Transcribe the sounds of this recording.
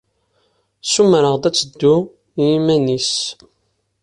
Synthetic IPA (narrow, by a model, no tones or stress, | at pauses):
sumɾəʁd̪æt͡sːəd̪ːu | jimænis